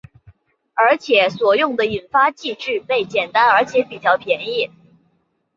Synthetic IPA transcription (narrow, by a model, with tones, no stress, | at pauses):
ə˞˧˥t͡ɕʰjɛ˨˩˦swɔ˨˩jʊ˥˩ŋd̪ə˩i˨˩nfa˥t͡ɕi˥˧ʈ͡ʂɻ̩˥˧pe˥˩ɪt͡ɕjɛ˨˩nt̪a˥nə˞˧˥t͡ɕʰjɛ˧˥pi˨˩t͡ɕjɑ˥˩ʊpʰjɛ˧˥ni˥˩